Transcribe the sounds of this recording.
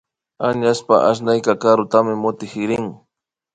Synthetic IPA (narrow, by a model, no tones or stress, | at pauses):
aɲaspa̰ʔaʃ̬najkakaɾʊt̪amɪmʊt̪ɪxɪɾɪŋ